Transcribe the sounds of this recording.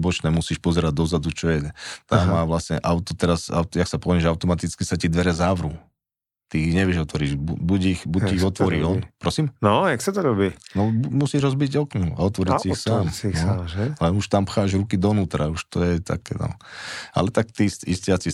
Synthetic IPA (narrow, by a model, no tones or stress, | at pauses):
bɔt͡ʃnɛːmusiːʃpɔzɛɾaɟd̪ɔzad̪ut͡ʃɔjɛɛt̪amːaːʋlasɲɛ̰ʔaʊt̪ɔt̪ɛɾaza̰ʊt̪jaksapɔʋɛɛʒaʊt̪ɔmat̪it͡skisacid̪ʋɛɾɛzaʋɾuː | t̪iiɲɛʋɪɛʒɔt̪ʋɔɾiːʒbubuɟixbuiiɣɔt̪ʋɔɾiːɔnpɾɔsiːmnɔjaksat̪ɔɾɔbinɔbumusiːʒɦɔzbiɟɔknua̰ɔt̪ʋɔɾicixsaːmnɔlɛnuʃt̪ampxaːʒɾukid̪ɔnuːt̪ɾauʃt̪ɔjɛt̪a̰kɛ̰ːnɔ̰a̰lɛt̪akt̪isiscɪat͡si